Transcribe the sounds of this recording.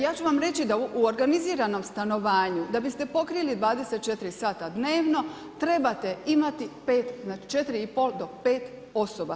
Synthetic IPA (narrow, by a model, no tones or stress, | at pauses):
jaːt͡ɕuʋamɾe̞t͡ɕid̪auoɾɡaniziːɾano̞mst̪ano̞ʋaːɲud̪abist̪e̞po̞kɾijlid̪ʋaːd̪e̞se̞t̪̚t͡ʃe̞t̪ɾisaːt̪ad̪ne̞ːʋno̞ | t̪ɾe̞bat̪e̞imat̪ipe̞ːt̪znaːt͡ʃi̥t͡ʃe̞t̪ɾiipo̞ːld̪o̞pe̞ːt̪ | o̞soba